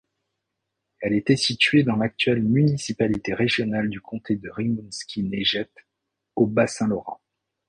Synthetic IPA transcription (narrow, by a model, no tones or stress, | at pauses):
ɛlɛt̪ɛsit̪ɥed̪ɑ̃lak̚t̪ɥɛlmynisipalit̪eʁeʒjɔnald̪ykʰɔ̃t̪ʰed̪əʁimunskʲineʒɛt̪ | obasɛ̃lɔʁɑ̰̃